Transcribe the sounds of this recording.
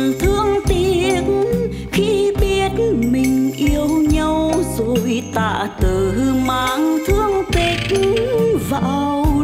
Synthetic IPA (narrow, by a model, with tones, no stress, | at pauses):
nt̪ʰɨ˧əŋt̪i˧˩kn | xi˧ɓi˧ət̚mï˨˩ŋ̟ʔi˧əwɲa˧wzo˨˩jt̪a̰ː˧˨t̪ɨ˨˩ɨ˧maː˧˨ŋt̪ʰɨ˧əŋt̪i˨˧˩knvaː˨˩w